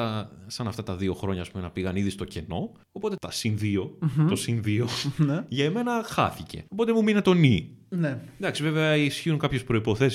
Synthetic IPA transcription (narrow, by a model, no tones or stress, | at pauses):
ɐsɐnɐft̪ɐt̪ɐðio̞xɾo̞ɲɐːspume̞nɐpiɣɐniðist̪o̞ce̞no̞ | opo̞t̪et̪ɐsinðiot̪osinðio̞nʝɐeme̞nɐxɐ̰θice̞̰o̞po̞t̪emuminet̪o̞nined̪ɐksive̞veɐisçiuŋkɐpçespɾo̞ipo̞θe̞si